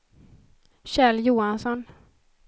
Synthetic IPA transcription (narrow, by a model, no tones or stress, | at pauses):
ɕɛljuːansɔn